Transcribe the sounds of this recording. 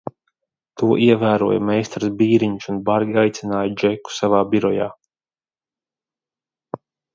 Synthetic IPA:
t̪uɔʔiɛvæːɾṵɔjɐ̰mɛjst̪ɾɨzbiːɾiɲusunbaɾɡiajt̪sinaːjd͡ʒɛkːu̥savaːbiɾɔja̰ː

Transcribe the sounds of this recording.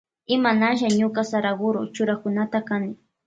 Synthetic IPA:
ɪmanaʃ̬aɲʊkasaɾaɡʊɾʊt͡ʃʊɾakʊnat̪akanɪ

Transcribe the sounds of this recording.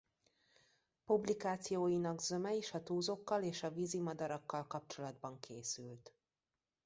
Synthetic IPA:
publikaːt̪sijoːjinɒɡzø̞mɛiʃɒt̪uːzo̞kːɒleːʃɒvizimɒd̪ɒɾɒkːɒlkɒp̚t͡ʃo̞lɒd̪bɒŋkʰeːsylt̪

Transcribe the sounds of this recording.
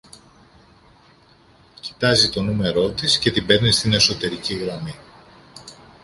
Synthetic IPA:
ci̥t̪ɐzit̪o̞nume̞ɾo̞t̪isce̞t̪ibe̞ɾnist̪ine̞so̞t̪e̞ɾiciɣɾɐmi

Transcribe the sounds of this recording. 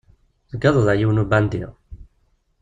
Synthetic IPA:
ðəɡɑðˤəðæjiwnubænd̪ḭʁ

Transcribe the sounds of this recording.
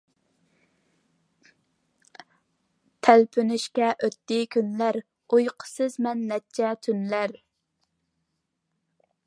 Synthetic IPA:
t̪ʰælpʰynɪʃkʲɛʔøt̪ːɪkʲʰynlæɾ | ujqʰə̥sɨzmɛnːɛt͡ʃʰɛt̪ʰynlæɾ

